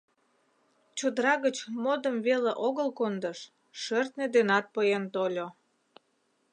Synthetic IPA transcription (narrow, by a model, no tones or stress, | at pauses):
t͡ɕod̪əɾɑɣət͡ɕmod̪əmveleʔoɣəlkond̪əʃ | ʃørt̪ned̪enɑt̪̚pəjent̪olʲo